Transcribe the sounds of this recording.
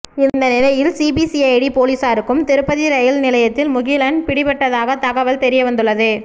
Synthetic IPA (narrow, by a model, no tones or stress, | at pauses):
ɪnd̪ɐnɪlɐjɪlsiːbisiɐɪɽipoːliːsaːɾɯkːɯmt̪ɛɾɯpːɐðiɾɐjɪlnɪlɐjɐt̪ːɪlmʊɣɪlɐnpɪɽɪpɛʈːɐðaːɣɐt̪ɐɣɐʋɐlt̪ɛɾɪjɐʋɐnd̪ɯɭːɐðɯ